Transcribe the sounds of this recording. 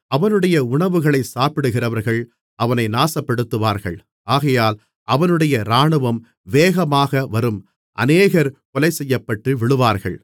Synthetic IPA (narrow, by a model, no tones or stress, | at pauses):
ɐʋɐnɯɽɐjɐʊɳɐʋɯɣɐɭɐɪsaːpɪɽɯɣɪrɐʋɐɾɣɐɭ | ɐʋɐnɐɪnaːsɐpːɛɽɯt̪ːɯʋaːɾɣɐɭ | aːɣɐjaːl | ʔɐʋɐnɯɽɐjɐɾaːɳɯʋɐm | ʋeːɣɐmaːɣɐʋɐɾɯm | ʔɐ̰neːɣɐɾkɔlɐɪsɛjːɐpːɐʈːɯʋɪɭɯʋaːɾɣɐ̰ɭ